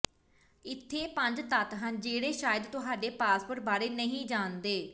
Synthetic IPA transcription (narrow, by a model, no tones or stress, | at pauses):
ɪt̪ʰːeːpəɲd͡ʒt̪ət̪ɦənd͡ʒeːɽeːʃaːjəd̪t̪ʊɦaːɖeːpaːspəɾʈ̚baːɾeːnəɦĩːd͡ʒaːnd̪eː